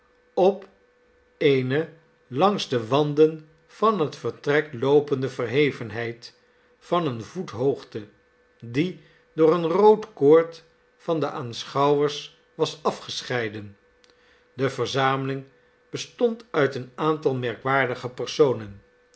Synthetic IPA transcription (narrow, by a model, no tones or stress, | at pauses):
ɔp | ejnə | lɑŋzdəʋɑndən | v̥ɑnɦətfəɹtrɛklowpəndəvəɹɦejvənɦɛjt | fɑnənvutɦowχtə | di | dʊːɹənrowtkʊːɹt | fɑndəʔaːnsχɑwəɹs | ʋɑsɑfχəsχɛjdən | dəvəɹzaːməlɪŋ | b̥əstɔntœɥtənaːntɑlˠmɛɹkʋaːɹdəχəpəɹsownən